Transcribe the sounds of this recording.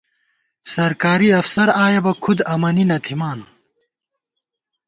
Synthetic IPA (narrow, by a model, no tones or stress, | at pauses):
sɐɾkaːɾiɐfsɐɾaːjɐbɐkʰud̪ɐmɐninɐt̪ʰimaːn